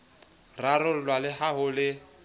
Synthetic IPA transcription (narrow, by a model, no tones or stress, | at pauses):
rarʊlwalɪɦaɦʊlɪ